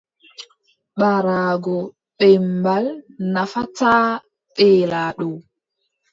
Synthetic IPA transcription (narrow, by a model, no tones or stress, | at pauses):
ɓaɾaːɡɔ | ɓɛmbalnafataː | ɓɛːlaːɗɔw